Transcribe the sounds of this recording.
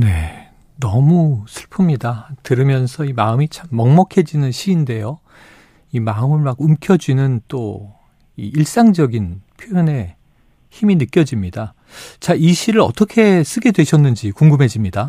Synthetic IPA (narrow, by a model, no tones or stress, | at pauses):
ne̞ | nʌmusʰɯɭpʰɯmɲidatɯɾɯmjʌnsʰʌimaɯmit͡ɕʰamːʌŋmʌkʰe̞d͡ʑinɯnɕʰiːnde̞jo | imaɯmɯɭmaɡumkʰjʌd͡ʑinɯnt͈o | ḭiɭs͈aŋd͡ʑʌɡinpʰjojone̞ | çiminɯk͈jʌd͡ʑimɲida | t͡ɕaiɕʰiɾɯɾʌ̰t͈ʌkʰe̞s͈ɯɡe̞dwe̞ɕʰʌnːɯnd͡ʑikuŋɡɯmɦe̞d͡ʑimɲida